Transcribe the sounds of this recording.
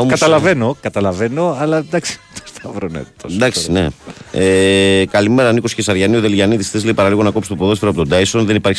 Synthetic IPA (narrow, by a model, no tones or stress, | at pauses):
oɐt̪ɐlɐve̞no̞kɐt̪ɐlɐve̞no̞ɐlɐd̪ɐksi̥t̪o̥st̪ɐvɾonḛt̪od̪ɐksineekɐlimeɾɐniko̞scesɐɾʝɐnioðe̞lʝɐnit̪isθezleipɐɾɐliɣo̞nɐkopst̪opoðo̞sfeɾoɐp̬ot̪od̪ɐisonðenipɐɾçis